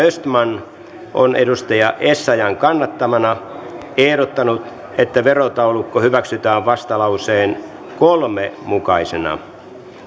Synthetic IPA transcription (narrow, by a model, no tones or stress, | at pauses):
øst̪mɑn | ʔo̰nedust̪ɑjɑʔesːɑjɑŋkɑnːɑt̪ːɑmɑnɑ | ehɾot̪ːɑnut̪ | et̪ːæʋerot̪ɑolːukːohyʋæksyt̪æːʋʋɑst̪ɑlɑuseːn | kolmemukɑisenɑ̰